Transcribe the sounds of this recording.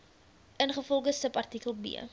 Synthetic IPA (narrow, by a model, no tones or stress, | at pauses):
ʔənχəfɔlˠχəsəpɐrtikəlˠbḭə